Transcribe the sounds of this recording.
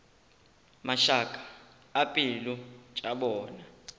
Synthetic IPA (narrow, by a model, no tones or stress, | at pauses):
maʃakʼḁː | pʼilut͡ʃʼaɓɔːna